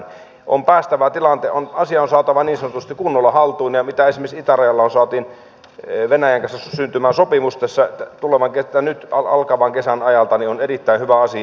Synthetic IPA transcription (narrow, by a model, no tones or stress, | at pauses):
ʔo̰mpæːst̪æʋæt̪ilɑnt̪eʔonɑsiɑonsɑːt̪ɑʋɑniːnsɑnot̪ust̪ikunːolːɑhɑlt̪uinjɑmit̪æesimeisit̪ærɑjɑlːɑonsɑːˑt̪iːn | ʋenæjæŋkɑnsæssynt̪ymæːnsopimust̪esːɑt̪uleʋɑŋket̪ːænyt̪ɑɑ̰lkɑʋɑŋkesænɑjɑlt̪ɑnionerit̪ːæinhyʋæɑsi